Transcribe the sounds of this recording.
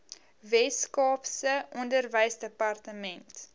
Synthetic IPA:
vɛskɑːpsəʔɔndərvəjsdəpɐrtəmɛnt

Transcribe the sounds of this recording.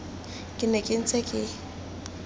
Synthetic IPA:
kʼɪnɛkʼɪn̩t͡sʼɛkʼɪ

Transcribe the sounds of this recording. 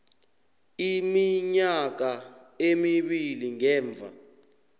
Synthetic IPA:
imiɲak̬aemiɓiliŋɛːɱb̪vʱa̰

